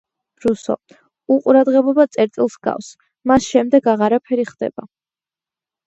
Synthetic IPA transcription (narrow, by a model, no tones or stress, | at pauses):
ɾusɔ̰ | uqʼuɾad̪ʁɛbɔbat̪sʼɛɾt̪ʼilˠsɡa̰fs | masʃɛmd̪ɛɡaʁaɾapʰɛɾiχd̪ɛ̰b̥a